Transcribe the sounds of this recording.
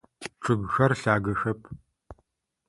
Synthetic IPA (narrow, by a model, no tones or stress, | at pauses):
ʈ͡ʂʰʼɨɡxɐrɬaːɡɐxɐpʰ